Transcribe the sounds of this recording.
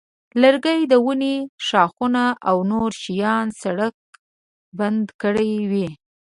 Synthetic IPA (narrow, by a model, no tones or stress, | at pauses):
ləɾɡəjd̪əwuneʃɑxunaʔawnoɾʃijɑnsaɽək̚ | band̪kəɽajwi